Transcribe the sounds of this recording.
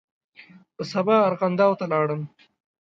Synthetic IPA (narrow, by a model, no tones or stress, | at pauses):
pəsɐbaːɾqand̪aːwt̪alɑːɽəm